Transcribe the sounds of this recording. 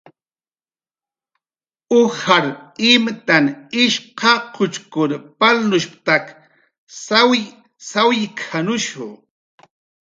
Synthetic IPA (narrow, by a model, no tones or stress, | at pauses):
ʊhaɾɪmt̪anɪʃqɑqʰʊt͡ʃkʊɾpalnʊʃp̚t̪ak | sawj | sawjkʰanʊʃʊ̰